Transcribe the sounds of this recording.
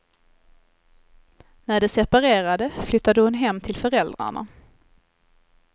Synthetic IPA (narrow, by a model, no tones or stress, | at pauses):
næɖɛsɛpaɾeːɾad̪əflʏt̪ːad̪əhʊnɦɛmːt̪ʰɪlfœɾɛld̪ɾa̰ɳa̰